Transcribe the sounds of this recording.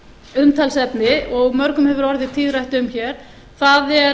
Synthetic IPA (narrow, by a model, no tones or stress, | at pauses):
ʏmt̪ʰalsɛpnɪɔɣmœɾkʏmhɛvʏɾɔɾðɪt̪ʰiðrajht̪ʏmçɛɾ̥ | θaðɛ